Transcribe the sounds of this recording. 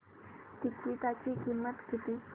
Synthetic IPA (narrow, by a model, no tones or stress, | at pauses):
t̪ikːit̪at͡ɕikimːət̪kit̪i